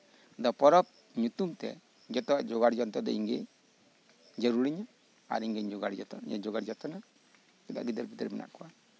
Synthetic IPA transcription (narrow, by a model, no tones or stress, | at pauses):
dɔpɔɾɔp̚ | ɲut̪umt̪ɛ̰ | d͡ʒɔt̪ɔd͡ʒɔɡaɾd͡ʒɔnt̪ɔdɔ̰iŋɡe | d͡ʒaɾuɾiɲa | a̰ɾiŋɡeɲd͡ʒɔɡaɾd͡ʒɔt̪ɔɲa̰d͡ʒɔɡaɾd͡ʒɔt̪ɔna | ida̰ɡidɛɾbidɛɾmɛnʔa̰ʔkua